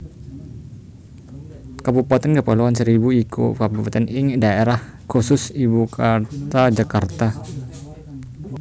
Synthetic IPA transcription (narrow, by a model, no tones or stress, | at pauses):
kabupat̪ɛnɡapaluansəɾibuikʰo̰kabupat̪ɛnɪŋdaeɾahkosʊsibukʰat̪ad͡ʒakart̪a